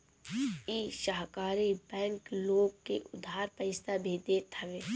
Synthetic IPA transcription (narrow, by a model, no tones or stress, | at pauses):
iːʃaːɦkaːɾibɛ̃ːŋkloːɡ̚keʔʊd̪ʱɦaːɾpəɪst̪abʱid̪et̪ʰɐʋeː